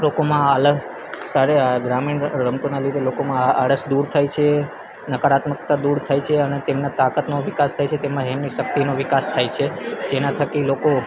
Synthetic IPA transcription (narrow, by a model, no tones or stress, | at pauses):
lokomãələ | saɾeɡɾamiɳɾəmt̪onaliɾelokomãə̰ɽəsd̪uɾt̪ʰajt͡ʃʰe | nəkəɾat̪məkt̪ad̪uɾt̪ʰajt͡ʃʰeənet̪emnãt̪akət̪noʋikast̪ʰajt͡ʃʰet̪emãɦɛmniʃək̚t̪inoʋɪkast̪ʰajt͡ʃʰed͡ʒenãt̪ʰəkiloko